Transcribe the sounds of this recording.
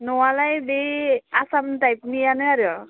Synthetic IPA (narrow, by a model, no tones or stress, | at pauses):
nowalajbeasamntajpnijanʌʌɾjo